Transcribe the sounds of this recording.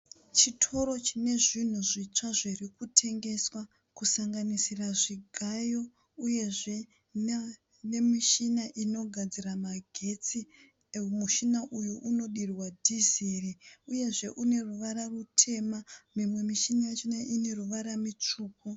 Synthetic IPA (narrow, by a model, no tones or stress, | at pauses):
t͡ʃitʰo̞ɾo̞t͡ʃine̞ʐin̤uʐit͡ʂaʐirikutʰe̞ŋɡe̞swa | kusaŋɡanisiraʐiɡʱajo̞ | uje̞ʐe̞ | ne̞miʃinaʔino̞ɡʱad͡ziramaɡʱe̞t͡si | muʃinaʔujuʔuno̞ɗirwadʱizeriuje̞ʐe̞ʔune̞ruʋaɾarutʰe̞mamimwe̞miʃinat͡ʃinaʔine̞ruʋaɾamit͡ʂuːk̚u